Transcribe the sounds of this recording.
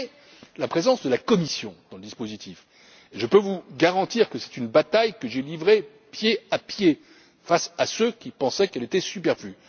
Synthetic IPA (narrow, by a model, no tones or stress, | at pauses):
lapχezɑ̃sd̪əlakɔmisjɔ̃d̪̥ɑ̃ləd̪ispozit̪if | eʒəpøvuɡaʁɑ̃t̪iʁkəsɛ̥t̪ynbat̪ajkəʒelivʁe | pjeapje | fasasøkʲipɑ̃sɛkɛlet̪ɛsypɛʁfly